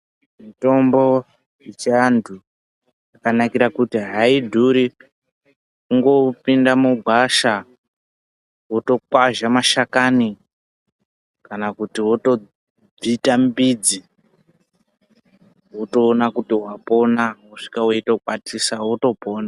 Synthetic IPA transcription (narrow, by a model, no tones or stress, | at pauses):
mito̞mbo̞ | it͡ʃandʰu | jjakanakiɾakutiɦaidʱuɾi | kuŋɡo̞pindamuɡʱwaʃa | woto̞kwaʒamaʃakani | kanakutiwoto̞ | b͡vitambid͡zi | woto̞ːnakutiwapo̞nawuʂi̥kaweito̞kwatisawoto̞po̞ːna